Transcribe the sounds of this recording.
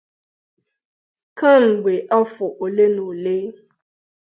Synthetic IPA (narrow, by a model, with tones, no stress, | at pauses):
ka˦ŋ̩˨ɡ͡be˨ʔɔ˦fʊ˨ʔo˨le˦no˨leː˦